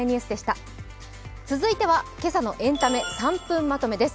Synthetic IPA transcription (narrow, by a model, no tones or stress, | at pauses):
ɲ̟iɯːsɨd̪e̞ɕi̥t̪a | t͡sɨzɨit̪e̞βake̞sano̞ʔẽ̞nt̪ame̞sãmpɯ̟̃mːat̪o̞me̞d̪e̞sɨ̥